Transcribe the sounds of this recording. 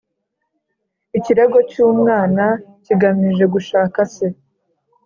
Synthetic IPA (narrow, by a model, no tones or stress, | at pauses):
iciɾe̞ɡo̞cuːmŋaːnaciɡamiʒe̞ɡuʃaːkase